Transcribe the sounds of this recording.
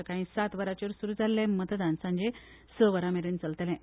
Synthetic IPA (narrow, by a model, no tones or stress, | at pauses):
əkãɦĩːsat̪ʋəɾat͡ɕoɾsuɾuːd͡zalːɛ̃mət̪əd̪ãnsãɲd͡ʑe | səʋəɾameɾiːnt͡səlt̪lɛ̃